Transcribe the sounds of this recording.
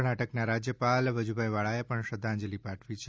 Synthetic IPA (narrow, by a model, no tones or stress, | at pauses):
ɳaʈəknaɾad͡ʒjəpalʋəd͡ʒubʱajʋaɭaepəɳʃəd̪ʱːãːɲd͡ʒəlipaʈʰʋit͡ʃʰ